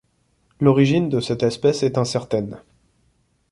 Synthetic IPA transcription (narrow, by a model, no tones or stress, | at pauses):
lɔʁiʒind̪əsɛt̪ɛspɛsɛt̪ɛ̃sɛʁt̪ɛn